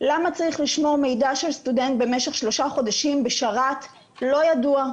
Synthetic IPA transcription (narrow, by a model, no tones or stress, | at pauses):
lamat͡saʁiχliʃmo̞ʁmejdaʃe̞lst̪udent̪̚be̞meʃe̞χʃlo̞ʃaχo̞daʃimbeʃaʁat | lo̞jadua